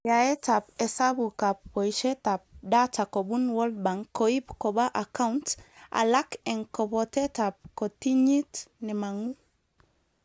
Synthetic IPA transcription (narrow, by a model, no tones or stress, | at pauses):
jaɛtapɛsabukap̚ːɔjʃɛtap̚datakɔbunwɔld̚baŋkːoipkɔbaʔakanta̰lakɛŋkɔbɔtɛtap̚kɔtiɲitnɛmaŋu